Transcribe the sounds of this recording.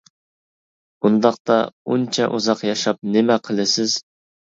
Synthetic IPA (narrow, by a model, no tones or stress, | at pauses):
bund̪ɑqt̪ɑ̰unt͡ʃʰɛʔuzɑqjɑʃɑp̚nɪmɛqʰəlˠɨsɪz̥